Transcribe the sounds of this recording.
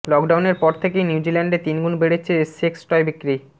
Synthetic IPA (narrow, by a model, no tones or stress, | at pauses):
lɔkɖawneɾpɔɾt̪ʰekejniwd͡ʑilaɳɖet̪inɡunbeɽet͡ɕʰeseksʈɔjbikːɾi